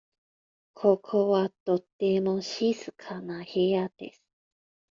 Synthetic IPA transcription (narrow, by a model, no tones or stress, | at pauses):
kʰokʰowat̪ot̪ːemoɕisɨ̥kʰanahead̪̥ḛsɨ̥